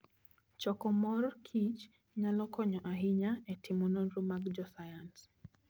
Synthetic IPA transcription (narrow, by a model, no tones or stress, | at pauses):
t͡ʃɔkɔmɔɾkʰit͡ʃ | ɲalɔkʰɔɲɔʔaɦiɲaɛtʰimunɔnɾumaɡd͡ʒɔsajans